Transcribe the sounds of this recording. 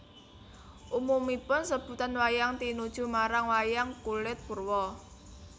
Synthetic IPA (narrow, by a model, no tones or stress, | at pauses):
ʔumumipʊnsəb̥ṳt̪anwajaŋt̪inud̥ʒ̥ṳmaɾaŋwajaŋkulɪt̪̚b̥urwɔ